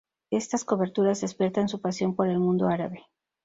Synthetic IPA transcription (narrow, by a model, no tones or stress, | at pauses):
e̞st̪asko̞βe̞ɾt̪uɾazðe̞spje̞ɾt̪ansupasjo̞mpo̞ɾe̞lmũnd̪o̞aɾaβe̞